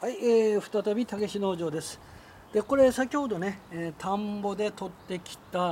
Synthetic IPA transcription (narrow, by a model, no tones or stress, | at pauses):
haieːɸɯ̟̥t̪at̪abʲit̪aɡe̞ɕino̞ːʑo̞ːd̪e̞sɨ̥ | d̪̥e̞ko̞ɾe̞sakʲiho̞d̪o̞ne̞ːt̪ʰãmbo̞d̪e̞t̪o̞t̪ːe̞kʲi̥t̪a